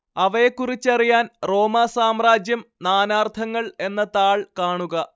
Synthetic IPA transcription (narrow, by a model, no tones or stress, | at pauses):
ɐʋɐjekːurit͡ɕːɐrijaːnro̞ːmaːsaːmraːd͡ʑjɐmnaːnaːrt̪ʰɐŋːɐɭe̞nːɐt̪aːɭkaːɳuɣɐ